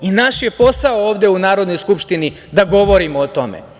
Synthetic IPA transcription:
inaʃje̞po̞saooːʋd̪eunaːɾod̪no̞jskupʃt̪ini | d̪aɡo̞ʋo̞ɾimoːt̪o̞mḛ

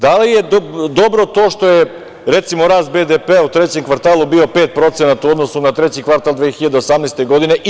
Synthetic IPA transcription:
d̪alijed̪od̪o̞bɾo̞t̪o̞ːʃt̪o̞je | ɾet̪simoɾaːst̪̚bed̪epeaut̪ɾet͡ɕe̞mkʋaɾt̪aːlˠubio̞peːt̪̚pɾo̞t̪senat̪uo̞d̪no̞sunat̪ɾet͡ɕikʋaɾt̪alˠd̪ʋeːxiʎad̪eo̞samnejst̪eɡo̞d̪ine̞ʔ

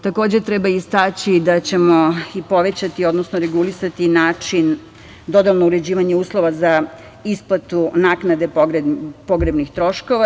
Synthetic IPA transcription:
t̪ako̞ːd͡ʑet̪ɾebaist̪at͡ɕid̪at͡ɕe̞mo̞ipo̞ʋe̞t͡ɕat̪io̞d̪nosnoɾeɡulisat̪inaːt͡ʂin | d̪o̞d̪alnouɾe̞d͡ʑiːʋaɲeuːslˠo̞ʋaza | isplat̪unaːknad̪e̞ɾpo̞ɡɾebnixt̪ɾo̞ʃko̞ʋa

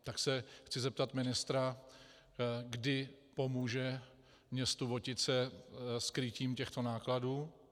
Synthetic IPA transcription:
t̪aksɛxt͡sɪzɛp̚t̪at̪mɪnɪst̪ɾa | ɡdɪpo̞muːʒɛ | mɲɛst̪uvo̞cɪt̪t͡sɛskɾɪciːmcɛxt̪o̞naːkladuː

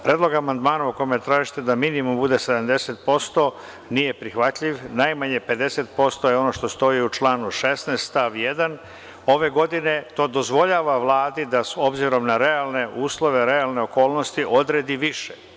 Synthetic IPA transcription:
pɾeːd̪lo̞ɡamand̪maːnauko̞jimet̪ɾaːʒit̪e̞d̪aminimumbud̪e̞se̞d̪amd̪e̞set̪̚po̞st̪o̞ | nije̞pɾixʋat̪ʎiʋnajmaɲepe̞d̪e̞se̞t̪̚po̞st̪o̞jeo̞no̞ʃt̪o̞st̪o̞iut͡ʃlaːnuʃe̞snest̪t̪aʋjed̪an | o̞ʋe̞ɡo̞d̪ine̞t̪o̞ːd̪o̞zʋo̞ʎaːʋaʋlˠaːd̪id̪aso̞bziɾo̞mnaɾealne̞ʔuːslˠo̞ʋe̞ɾealne̞o̞ko̞ːlˠno̞st̪iʔo̞d̪ɾeːd̪iʋiʃe

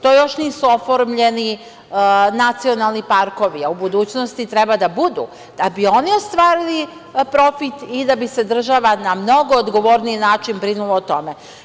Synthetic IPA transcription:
t̪o̞jo̞ʃniːsuo̞fo̞ɾmʎe̞ni | nat̪sio̞nalˠnipaɾko̞ʋiaubud̪uːt͡ɕnost̪it̪ɾɛbad̪abud̪ṵ | d̪̥abio̞nio̞st̪ʋaːɾili | pɾo̞fit̪id̪abise̞d̪r̩ʒaʋanamno̞ɡoːd̪ɡo̞ʋo̞ɾniinaːt͡ʃinbɾinuloot̪o̞me

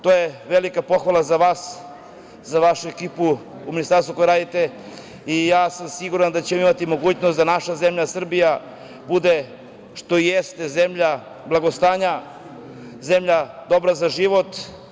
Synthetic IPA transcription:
t̪ojeʋelikapo̞xʋalˠazaʋaːs | zaʋaʃuekiːpuuminist̪aɾst̪uko̞jeɾaːd̪it̪e | ijaːsamsiɡuɾand̪at͡ɕemoimat̪imo̞ɡuːt͡ɕnost̪d̪anaʃazemʎasr̩bija | bud̪e | ʃt̪o̞jest̪eze̞mʎa | blˠaɡost̪aːɲa | zemʎad̪o̞bɾazaʒiʋo̞t̪

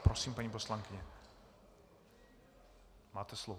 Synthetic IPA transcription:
pɾosiːmpaɲiposlaŋkɪɲɛ | maːt̪ɛslov

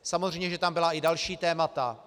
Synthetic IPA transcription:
samozrɛjɲɛʒɛt̪ambɪlaɪdalʃiːt̪ɛːmat̪a

